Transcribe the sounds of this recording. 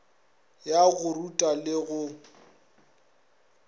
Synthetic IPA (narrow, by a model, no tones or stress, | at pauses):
jaɣʊrutʼalɪɣʊ